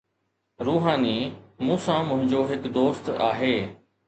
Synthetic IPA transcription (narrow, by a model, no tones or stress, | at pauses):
ɾuːɦaːniːmũːsãmʊ̃ɦɪ̃ɲd͡ʑoːɦɪkd̪oːst̪aːɦeː